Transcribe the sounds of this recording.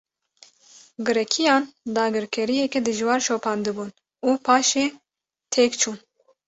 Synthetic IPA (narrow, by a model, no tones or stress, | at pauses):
ɡɨɾɛkʰijɑːnd̪ɑːɡɨɾkʰɛɾijɛkɛd̪ɨʒwɑːɾʃoːpʰɑːnd̪ɨbuːn | uːpʰɑːʃeː | t̪ʰeːkt͡ʃʰuːn